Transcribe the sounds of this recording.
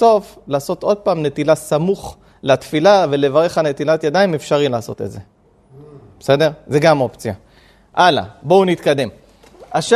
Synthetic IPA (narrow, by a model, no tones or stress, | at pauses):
o̞flaːso̞t̪ʔo̞d̪̚paːmne̞t̪ilasamuχ | lat̪filave̞le̞vaʁe̞χhane̞t̪ilat̪jad̪aimefʃaʁilaːso̞̰t̪etze | b̥ese̞de̞ʁze̞ɡamo̞pt͡sija | ʔala̰bounit̪kad̪e̞m | aʃ